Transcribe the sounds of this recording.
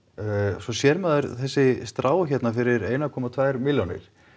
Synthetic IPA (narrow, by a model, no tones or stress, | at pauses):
sɔsjɛɾmɛðʏɾ̥θɛsːɪst̪ɾaːwçɛt̪nafɪɾɪɾeːjnakʰɔːmat̪ʰvaːjɾmɪljownɪ̰ɾ̥